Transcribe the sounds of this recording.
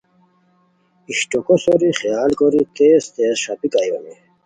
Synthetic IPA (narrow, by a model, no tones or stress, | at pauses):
iɕʈokosoɾiχijaːlɡoɾit̪eːst̪eːsʂapikajoni